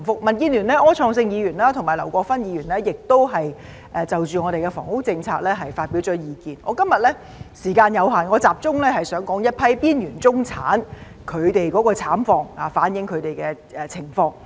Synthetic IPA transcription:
fʊ˥k̚mɐ˨˩nkiː˧nlyː˨˩nlɛː˥ʔɔː˥t͡ʃʰɔː˧ŋsɪ˧ŋjiː˨˧jyː˨˩nlaː˥t̪ʰʊ˨˩ŋmaː˨˩lɐ˨˩wkɔː˧k̚fɐ˥njiː˨˧ɥyː˨˩nlɛː˥jɪ˨k̚t̪o˥wɦɐ˨j | ʔɛ˨t͡sɐ˨wt͡ʃyː˨ŋɔː˨˧ɾe˨jkɛ˧fɔ̰ː˨˩ŋkʊ˥k̚t͡sɪ˧ŋt͡sʰaː˧k̚lɛː˥ɦɐ˨jfaː˧t̚pi˨˥wt͡sɔː˨˥jiː˨˧kiː˨nɔː˨˧˥kɐ˥mjɐ˨t̚lɛː˥ | siː˨˩kaː˧njɐ˨˧wɦaː˨˩nŋɔː˨˧t͡saː˨p̚t͡sʊ˥ŋlɛː˥hɐ˨jsœː˨˥ŋkɔː˨˥ŋjɐ˥t̚pʰɐ˥jpiː˥njyː˨˩nt͡sʊ˥ŋt͡sʰa̰ː˨˥n | kʰɵ˨˧ɥt̪e˨jkɔː˨˥kɔː˧t͡sʰaː˨˥mfɔː˧ŋaː˨˩faː˨˥njɪ˨˧˥ŋkʰɵ˨˧t̪e˨jkɛː˧ | ɛ˨˧t͡sʰɪ˨˩ŋfɔː˧ŋ

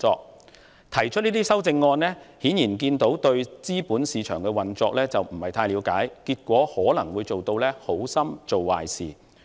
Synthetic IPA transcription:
ɔː˧k̚ | t̪ʰɐ˨˩jt͡ʃʰt̚liː˥t̪i˥sɐ˥wt͡sɪ˧ŋːɔː˧nlɛː˥hiː˨˥njiː˨˩nk̬iː˧nt̪o˨˥wt̪ɵ˧ɥt͡siː˥puː˨˥nsiː˨˧t͡ʃʰœ̰ː˨˩ŋkɛ˧wɐ˨nt͡sɔː˧k̚lɛː˥t͡sɐ˨wm̩˨˩hɐ˨˩jt̪ʰaː˧jliː˨˧wka̰ː˨˥jkiː˧t̚kʷɔː˨˥hɔː˨˥lɐ˨˩ŋwuː˨˧jt͡so˨wt̪o˧wlɛː˥ho˨˥wsɐ˥mt͡so˨wwa̰ː˨˩jsḭː˨˩

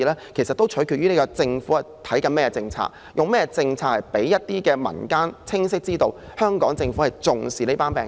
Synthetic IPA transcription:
lɛː˥kʰe˨˩jsɐ˨t̪ːwt͡ʃʰɵ˨˥kʰyː˨t̚ɥyː˥ne˨˥kɔ˧t͡sɪ˧ŋfuː˨˥ɐ˨˩t̪ʰɐ˨˥jkɐ˧nmɛː˥kɛ˧t͡sɪ˧ŋt͡sʰa̰ː˧k̚ | jʔʊ˨˩ŋmɛː˥˧t͡sɪ˧ŋt͡sʰaː˧khɐ˨˩jpe˨˥jjɐ˥t̚t̪iː˥kɛː˧mɐ̰˨˩nkaː˥nt͡sʰɪ˥ŋs̬ɪ˥k̚t͡siː˥t̪o˧w | hœː˥ŋkɔː˨˥ŋt͡sɪ˧ŋfu˨˥hɐ˨jt͡sʊ˨ŋsiː˨ne˥paː˥npɛː˨

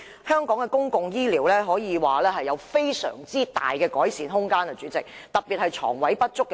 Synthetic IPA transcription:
hœː˥ŋkɔː˨˥ŋkɛ˧kʊ˥ŋkʊ˨ŋjiː˥liː˨˩wlɛː˥ɦɔː˨˥jiː˨˧waː˨˩lɛː˥ɦɐ˨jːɐ˨˧wfe˥jsœ̰ː˨˩ŋt͡siː˥t̪a̰ː˨˩jkɛː˧kɔː˨˥jsiː˨˥nɦʊ˥ŋkaː˥nkɛː˧t͡syː˨˥t͡sɪ˨k̚t̪ɐ˨˩p̚piː˨t̚hɐ˨jt͡ʃʰɔ̰ː˨˩ŋwɐ˨˥jpɐ˥t̚t͡ʃʊ˥kːɛ˧

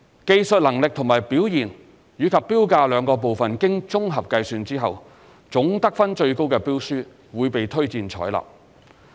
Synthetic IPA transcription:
ke˧jsɵ˨t̚lɐ˨˩ŋlɪ˨k̚t̪ʰʊ˨˩ŋmaː˨˩jpiː˨˥wjiː˨˩n | jyː˨˧˥kʰɐ˨pːiː˥wkaː˧lœː˨˧ŋkɔː˧p̬o˨wfɐ˨nkɪ˥ŋt͡sʊ˥ŋɦɐ˨p̚kɐ˧jsyː˧nt͡siː˥ɦɐ˨w | t͡sʊ˨˥ŋt̪ɐ˥k̚fɐ˥nt͡ʃɵ˧ɥko˥wkɛː˧piː˥wsyː˥ | wuː˨˧jpe˨jt̪ʰɵ˥ɥt͡siː˧nt͡ʃʰɔ̰ː˨˥jlɐ̰˨˩p̚

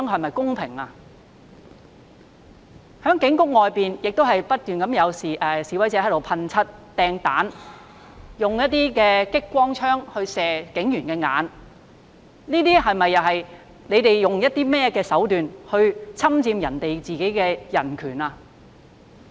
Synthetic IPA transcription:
ŋɦɐ˨jmɐ˨jkʊ˥ŋpʰɪ˨˩ŋaː˧ | hœː˨˥ŋkɪ˨˥ŋkʊ˥k̚ŋɔː˨jpiː˨njɪ˨k̚t̪o˥ɦɐ˨jpɐ˥t̚t̪yː˨nkɐ˨˥mjɐ˨˧wsiː˨˩ʔɛ˨siː˨˥wɐ˨˥jt͡sɛː˧˥ɦt̪o˨wpʰɐ˧nt͡sʰɐ˥t̚t̪ɛː˧ŋt̪a̰ː˨˥n | jʊ˨ŋjɐ˥t̚t̪ːiː˥kɛː˧kɪ˥kːʷwɔː˥ŋt͡ʃʰœː˥ŋhɵ˧ɥsɛː˨kɪ˨˥ŋjyː˨˩nkɛː˧ŋa̰ː˨˧n | niː˥t̪iː˥ɦɐ˨jmɐ˨jːɐ˨˩wɦɐ˨j | le˨˧jt̪e˨jːʊ˨ŋjɐ˥t̚t̪iː˥mɛː˥kɛː˧sɐ˨˥wt̪yː˨nhɵ˧ɥt͡sʰɐ˥mt͡siː˧mjɐ̰˨˩nt̪e˨jt͡siː˨ke˨˥jkɛː˧jɐ̰˨˩nkʰyː˨˩naː˧

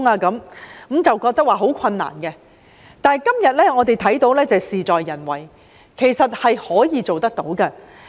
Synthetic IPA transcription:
ŋaː˧kɐ˨˥mkmt͡sɐ˨wkɔː˧k̚t̪ɐ˥k̚waː˨ɦo˨˥wkʰɐ˧nːa̰ː˨˩nɡɛ˧ | t̪aː˨kɐ˥mjɐ˨t̚lɛː˥ŋɔː˨˧t̪e˨jt̪ʰɐ˨˥jt̪o˨˥wlɛː˥t͡sɐ˨siː˨t͡sɔː˨jːɐ˨˩nwɐ̰˨˩j | kʰe˨˩jsɐ˨t̚hɐ˨jhɔː˨˥jiː˨˧t͡so˨wt̪ɐ˥k̚t̪o˨˥wkɐ˧

